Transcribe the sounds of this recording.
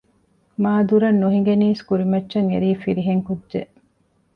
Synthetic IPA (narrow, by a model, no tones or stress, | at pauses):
maːd̪uɾɐnːuɦiŋɡeniːskuɾimɐtːʃɐŋḛɾiːfiɾiɦeŋkudʒe